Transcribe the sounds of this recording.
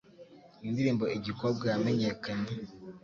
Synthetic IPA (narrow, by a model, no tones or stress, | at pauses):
indiɾiːmbo̞iɟikoɾb̚ɡajameɲekane